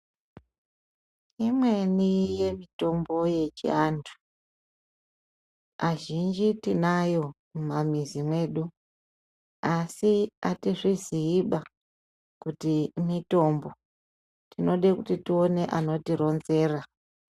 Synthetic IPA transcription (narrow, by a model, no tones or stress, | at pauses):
imwenije̞mito̞mbo̞je̞t͡ʃḭantʰu̥ | aʒind͡ʒitinajo̞ | mamizimwe̞ːɗu | asiatiʐiziːɓa | kutimito̞mbo̞ | tino̞ɗekutitio̞ne̞ʔano̞tiɾo̞nze̞ːra